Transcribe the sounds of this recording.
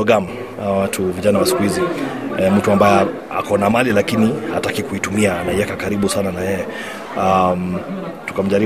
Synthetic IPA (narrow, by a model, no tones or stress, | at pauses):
ɔɡam̩ | watʰuviʄanawasi̥kuhiziɛm̩tuambajɛ | a̰kɔnamalilakinihatakikuitumiaːnaɛkakaɾiɓusananajɛjɛ | am | tu̥kam̩ʄaɾi